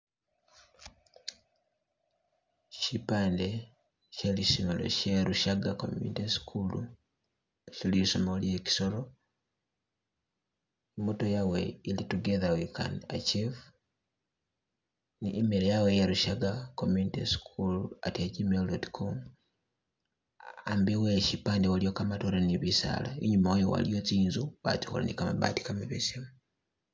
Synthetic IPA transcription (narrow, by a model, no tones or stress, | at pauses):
ʃipaːnde | ʃelisinolo̰ʃeɾuʃaɡako̰mjṵniteskʰulṵ | ʃilisomolieki̥soɾo | imotojaweilituɡeðawika̰na̰t͡ʃiv | niʔːmeɾejawejaɾuʃaɡakomunitiskʰula̰tad͡ʒimeldotkʰom | ambiweʃipaːndiwalijokamatoɾaniβisa̰laiɲumawojo̰wa̰lijo̞t͡siːnzuβa̰t͡ʃi̥xo̰la̰nḭkama̰βa̰ːti̥kamaβesimu